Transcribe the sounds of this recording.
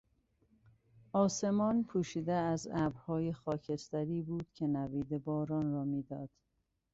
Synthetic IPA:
ɒːse̞mɒːnpʰuːʃiːd̪eæzæbhɒːjexɒːcʰe̞st̪æɾiːbuːd̪̥cʰe̞næviːd̪ebɒːɾɒːnɾɒːmiːd̪ɒːd̪̥

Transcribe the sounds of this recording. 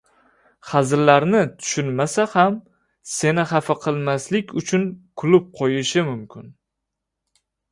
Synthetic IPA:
χɑzɾlaɾnɪt̪ʰʊ̥ʃʊnmasaham | se̞nɪhɑfaqʰɨlˠmaslɪkʲʊt͡ʃʰʊnkʰʊlʊp̚qʰojɪʃɪmʊmkʲɪn

